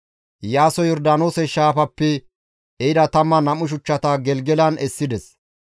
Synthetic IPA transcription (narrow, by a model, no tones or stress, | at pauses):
jaːsɔjɔɾd̪aːnoːsɛʃaːpɐpːɛ | ɛɪd̪ɐt̪ɐmːɐnɐmʊʃ̬ʊt͡ʃːɐt̪ɐɡɛlɡɛlɐnɛsːɪd̪ɛs